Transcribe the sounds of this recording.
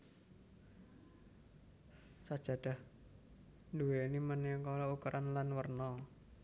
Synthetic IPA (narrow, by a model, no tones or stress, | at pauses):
sad̥ʒ̥a̤d̥a̤h | nduwenimənɛkɔlɔukɾʔanlanwərnɔ